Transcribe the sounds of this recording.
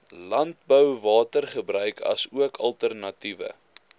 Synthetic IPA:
lɐnt̚bəwvɑːtərχəbɾœɥkʰɐ̰suəkʰɐlˠtərnɐtivə̰

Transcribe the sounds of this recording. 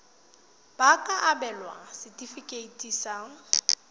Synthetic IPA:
b̥akʼaʔabɛlwa̰sɪtʼifikʼeitʼisaŋ̩

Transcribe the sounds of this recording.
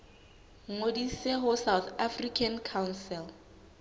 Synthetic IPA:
ŋodiseɦʊsawθafrikʰankʰawnsɛl

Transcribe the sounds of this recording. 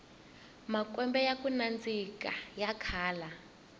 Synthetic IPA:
makʼwɛmbɛjakunand͡zikʼa̰jakʰaːla

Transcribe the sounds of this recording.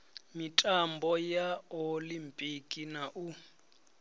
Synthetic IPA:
mitʼambɔjaolimpʼikʼinaʔu

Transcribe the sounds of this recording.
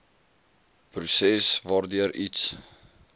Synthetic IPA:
prusɛsvɑːrdyəɾits

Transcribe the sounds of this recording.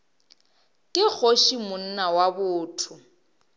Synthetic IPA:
kʼɪk͡xʰoʃimʊn̩nawabʊːtʰʊ

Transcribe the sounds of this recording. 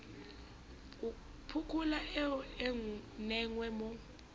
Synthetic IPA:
u | pʰukʰulaɛɛŋnɛŋwɛmɔ

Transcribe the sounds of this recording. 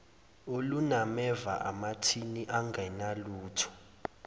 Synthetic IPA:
olunamɛvaʔamatʰiniʔaŋɡʱɛnaluːtʰɔ̥

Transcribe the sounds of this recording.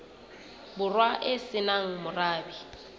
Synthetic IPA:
bʊrwaʔɪsɪnaŋ̩mʊraːbi

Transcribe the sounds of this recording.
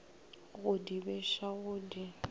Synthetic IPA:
ɣʊdibɛʃaɣʊdi

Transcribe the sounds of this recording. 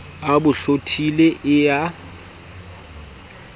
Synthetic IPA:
abʊɬotʰileʔɪja

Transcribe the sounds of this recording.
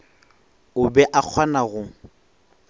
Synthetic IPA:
ʊbɛʔak͡xʰwanaɣʊ

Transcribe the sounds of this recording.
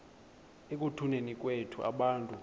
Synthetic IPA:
ek̬ʼutʰunenik̬ʼwetʰuʔa̰ɓaːntʼu

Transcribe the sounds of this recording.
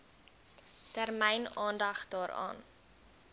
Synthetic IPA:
tærmɛjnɑːndɐχdɑːɾɑ̰ːn

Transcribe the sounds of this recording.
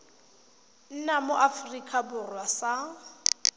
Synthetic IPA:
n̩namʊʔafrikʼabʊrwasa

